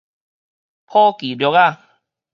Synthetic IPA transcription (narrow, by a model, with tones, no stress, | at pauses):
pʰɔ˦ki˨˩ljɔ˧˦ka˥˧˨